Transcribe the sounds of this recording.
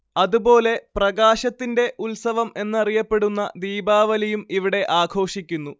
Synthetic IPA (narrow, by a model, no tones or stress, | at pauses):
ɐðubo̞ːle̞prɐɡaːɕɐt̪ːinde̞ʔulsɐʋɐme̞nːɨɐrijɐpːe̞ɽunːɐ̰d̪iːbaːʋɐlɐjumiʋiɽe̞ʔaːkʰo̞ːʂikʲːunːu